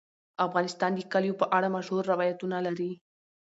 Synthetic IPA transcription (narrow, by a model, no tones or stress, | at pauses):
afɣɑnɪst̪ɑnd̪əkaljopəʔaɽamaʃhoɾːɪwɑjat̪unalaɾi